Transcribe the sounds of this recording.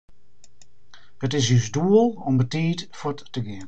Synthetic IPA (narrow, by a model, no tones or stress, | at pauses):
hətɪsysduəlˠɔmbətiːtfɔtː | əɡɪən